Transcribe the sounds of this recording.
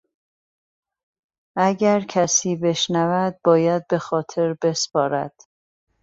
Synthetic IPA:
ʔæɟæɾcʰæsiːbe̞ʃnævæd̪̚bɒːjæd̪̚be̞xɒːt̪ʰe̞ɾbe̞spɒːɾæ̰d̪̥

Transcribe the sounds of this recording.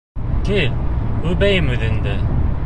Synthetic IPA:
k̪iʉbæjɘmʉðɘ̆nd̪æ

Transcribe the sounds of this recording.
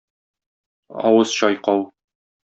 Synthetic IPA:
ɒ̰wɤz̥ɕɒjqɑw

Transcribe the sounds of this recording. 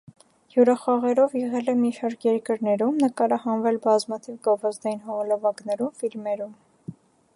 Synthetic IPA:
juɾɑχɑʁɛɾɔvjɛʁɛlɛmiʃɑɾkʰjɛɾkəɾnɛɾumnəkɑɾɑhɑnvɛlbɑzmɑt̪ʰivɡɔvɑzd̪ɑjinɦɔʁɔləvɑɡnɛɾumfilmɛɾum

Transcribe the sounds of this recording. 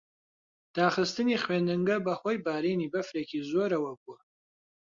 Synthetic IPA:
d̪̥aːχəst̪ʰɨniχweːnɨŋɡɐbɐχwɐjbaːɾinibɐfɾekʲʰizoɾɐwɐɡ̚ʷʼʊ

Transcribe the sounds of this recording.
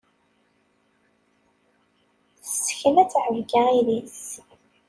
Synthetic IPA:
θsəçənæt͡sːʕəvɡaiðis

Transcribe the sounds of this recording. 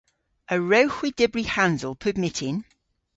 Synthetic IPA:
əɹəʊxwɪdɪbɹihãnzəlˠpʰəbmɪtʰɪ̃n

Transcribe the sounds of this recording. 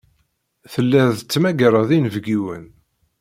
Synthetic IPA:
θəlːæðət͡sːmæɡəɾˤəðinəvɡiwə̰n

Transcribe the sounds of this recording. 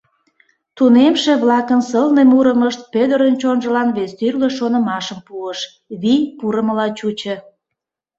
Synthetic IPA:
t̪unemʃeβlɑkənsəlnemuɾəməʃt̪̚pød̪əɾənt͡ɕonʒəlɑnβest̪yrleʃonə̆mɑʃəmpuəʃ | βijpuɾəməlɑt͡ɕut͡ɕə

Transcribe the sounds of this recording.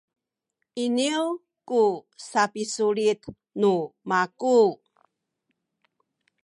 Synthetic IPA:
ʔiniw | kusapisuɭit̪ | numaku

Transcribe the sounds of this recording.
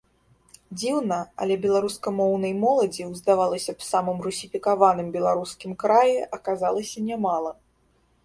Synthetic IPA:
d͡zʲiwnɐɐ̰lʲɛbʲɛlˠaɾuskɐmɔwnɐjmɔlˠɐd͡zʲiwzd̪avalˠɐsʲɐpsamɨmrusʲifʲikavanɨmbʲɛlˠaɾuskʲimkɾajɛʔɐkazalˠɐsʲɐnʲɛmalˠɐ

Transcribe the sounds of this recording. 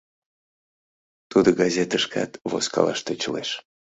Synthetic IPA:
t̪ud̪oɡɑzʲet̪əʃkɑ̰t̪vo̰skɑ̰lˠɑ̰ʃt̪ot͡ɕəleʃ

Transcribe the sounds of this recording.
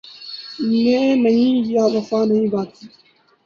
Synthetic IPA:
mɛ̃ːnəɦĩːjaːʋəfaːnəɦĩːbaːt̪iː

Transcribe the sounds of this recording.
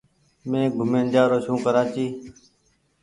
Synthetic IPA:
mẽːɡʱʊmẽːnd͡ʒaːɾoːʃũːkəɾãːt͡ʃiː

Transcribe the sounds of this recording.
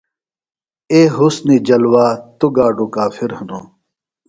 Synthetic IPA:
eːɦusnid͡ʑɐlwaːt̪uɡaːɖukaːfʰiɾhɐnoː

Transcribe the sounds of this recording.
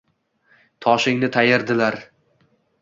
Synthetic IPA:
t̪ʰɒʃɪŋnɪt̪ʰajɪɾd̪ɪlaɾ

